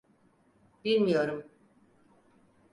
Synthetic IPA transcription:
b̥ilʲmijo̞ɾum

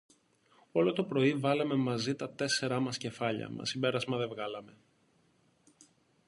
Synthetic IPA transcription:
o̞lo̞t̪o̞pɾo̞ivɐlɐme̞mɐzit̪ɐt̪e̞se̞ɾɐmɐsce̞fɐʎɐ̰mɐ̰simbe̞ɾɐzmɐðe̞vɣɐlɐme̞

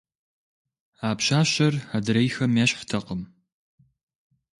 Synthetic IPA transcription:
aːpɕaːɕɐradɨɾɐjxɐmjaːɕħtʰɐqəm

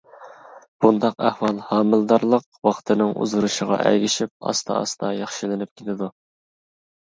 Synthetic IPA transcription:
b̥und̪ɑqæhwɑlˠhɑːmɨlˠd̪ɑɾlˠəqwɑχt̪ʰɨnɪŋṵzʁuɾuʃəʁɑ̰ʔæ̰ɡʲiʃip̚ɑ̰st̪ʰɑ̰ɑ̰st̪ʰɑjɑχʃilɪnɪp̚kʲʰelɪd̪u

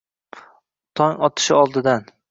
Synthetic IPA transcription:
t̪ʰɒŋɒt̪ʰɪ̥ʃɪɒlˠd̪ɪd̪an

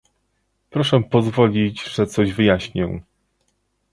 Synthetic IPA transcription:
pɾɔʂɛpɔzvɔlʲit͡ɕʐ̥ɛt̪sɔʑvɘjaɕɲɛ̰

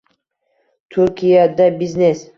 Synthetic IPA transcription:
t̪ʰʊɾkʲʰijad̪abiznes

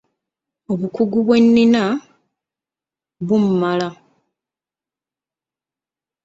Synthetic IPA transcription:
o̞βukuɡuβwe̞nːina | βum̩mala

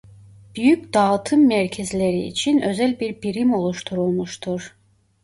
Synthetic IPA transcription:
b̥yjycd̪̥ɑt̪ʰɯmːæɾcʰɛzleɾḭːt͡ʃʰinø̞zælʲbiɾbiɾimo̞lˠuʃt̪ʰuɾulˠmuʃt̪ʰuɾ̥

